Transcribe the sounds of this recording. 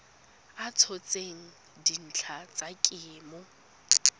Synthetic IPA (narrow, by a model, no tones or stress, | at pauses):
at͡sʰɔt͡sʼeŋ̩ | din̩t͡ɬʰat͡sʼakʼɪːmʊ